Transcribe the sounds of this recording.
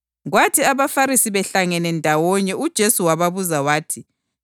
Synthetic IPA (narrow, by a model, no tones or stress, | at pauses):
ɣwatʰiaβafaɾisiβɛɬaŋɛnɛndʱawɔɲɛud̥ʒ̥ʱesuwaβaβuzawaːtʰi